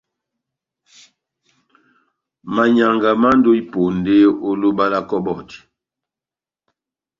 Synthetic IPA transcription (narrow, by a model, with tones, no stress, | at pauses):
ma˨ɲa˨ŋɡa˨ma˦n˦do˦i˦po˨n˨de˦o˦lo˦ba˦la˦kɔ˦bɔ˦˨ti˨